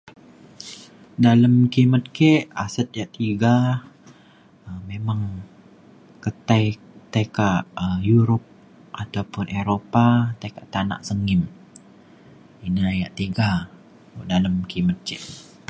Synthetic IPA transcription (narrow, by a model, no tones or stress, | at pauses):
daləmkimət̪̚kɛʔasət̪̚jaʔt̪iɡa | əmemaŋ | kət̪aj | t̪ajkaʔəjuɾop̚ | ʔat̪awpʊnʔeɾopat̪ajkaʔt̪ana̰ʔsəŋɪm | inajaʔt̪iɡa | daləmkimət̪̚kɛʔ